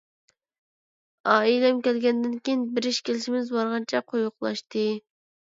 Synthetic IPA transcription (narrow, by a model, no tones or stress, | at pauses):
ɑːilɛmkʲɛlɡʲɛnd̪ɪnkʲijinbɪɾɪʃkʲelɪʃɪmɪzbɑɾʁɑnt͡ʃʰɛqʰojʊqlˠɑ̰ʃt̪ɨ